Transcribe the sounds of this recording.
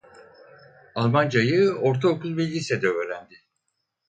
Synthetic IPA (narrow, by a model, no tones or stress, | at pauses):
alˠmand͡ʒajɯo̞ɾt̪ʰaokʰulˠbilʲɟisɛd̪ɛøːɾænd̪ɪ